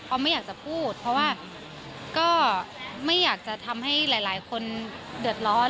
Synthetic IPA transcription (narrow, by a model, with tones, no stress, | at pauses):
pʰɔː˧ma˥˩jaː˨˩k̚t͡ɕa˨˩pʰuː˥˩t̪̚pʰɔ˧˥waː˥˩ | kɔː˥˩ma˥˩jːaː˨˩k̚t͡ɕa˨˩t̪ʰa˧mha˥˩jlaː˩˦jlaː˩˦jkʰo˧ndɯ˨˩ət̪̚lɔː˦˥